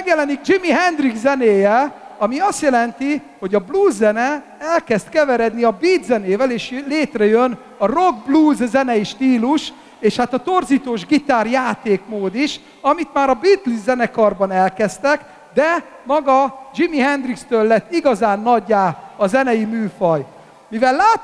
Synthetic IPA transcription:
ɛɡjɛlɛniɡ̚d͡ʒimiɦɛnd̪riɡzzɛneːjɛɒmiɒst̪jɛlɛnt̪i | ho̞ɟɒbluːzːɛnɛ | ɛlkɛst̪kɛvɛɾɛd̪niɒbiːd̪zɛneːvɛleːʃleːt̪rɛjøn | ɒro̞ɡ̚bluːzzɛnɛjiʃt̪iːluʃ | eːʃhat̪ɒt̪o̞rziːt̪oːʒɡit̪aːrjaːt̪eːkmoːd̪iʃ | ɒmit̪maːɾɒbit̪lizzɛnɛkɒrbɒnɛlkɛst̪ɛk | d̪ɛ | mɒɡɒd͡ʒimiɦɛnd̪rikst̪øːlːɛt̪ːiɡɒzaːnːɒɟːaːɒzɛnɛjimyːfɒj | mivɛlːaː

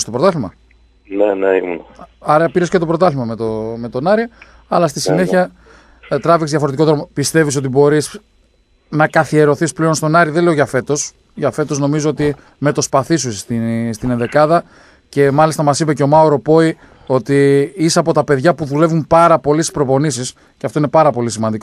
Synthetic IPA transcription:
st̪o̞pɾt̪ɐθimɐ̰ | neneimṵnɐɐɾɐpiɾe̞skce̞t̪o̞pɾo̞t̪ɐlivmɐmet̪ome̞t̪o̞nɐɾi | ɐlɐst̪isine̞çiɐ | t̪ɾɐvikszðʝɐfo̞ɾet̪iko̞ðɾomopist̪e̞vis̬o̞t̪̬ibo̞ɾis | nɐkɐθie̞ɾo̞θisple̞onst̪o̞nɐɾiðenleoʝɐfe̞t̪o̞s | ʝɐfe̞t̪o̞zno̞mizo̞o̞t̪i | me̞t̪o̞spɐθisust̪ist̪ineðe̞kɐðɐ | ce̞mɐlist̪ɐmɐsipeceo̞mɐoɾo̞po̞i | o̞t̪iiseɐpo̞t̪ɐpe̞ðʝɐpuðule̞vumpɐɾɐpo̞lisi̥spɾo̞po̞nisis | ceɐft̪oine̞pɐɾɐpo̞lisimɐnd̪iko

